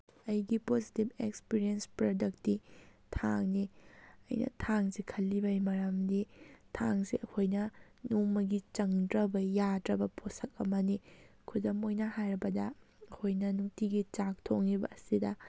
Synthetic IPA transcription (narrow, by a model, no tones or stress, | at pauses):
ɐjɡipozitib̚ekspiɾiɐnspɾodɐk̚tːitʰaŋniɐ̰jnɐ̰tʰaŋzikʰɐlːibɐjmɐɾamditʰaŋsiɐkʰojnɐ | numːɐɡit͡ʃɐŋdɾɐbɐjadɾɐbɐpʰosɐk̚ɐmɐni | kʰudɐmojnɐhajɾɐbɐdɐː | kʰojnɐnuktiɡit͡ʃak̚tʰoŋːibɐ̰ːsidɐ